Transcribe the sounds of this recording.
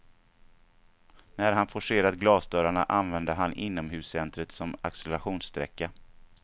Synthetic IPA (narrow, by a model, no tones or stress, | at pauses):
næɾɦanfɔʂeːɾat̪ɡlɑːsd̪œːɾaɳaʔanvɛnd̪əɦanʔɪnːɔmɦʉ̟ːsːɛnt̪ɾət̪sɔma̰ksɛlɛɾaɧuːnst̪ɾɛ̰kːa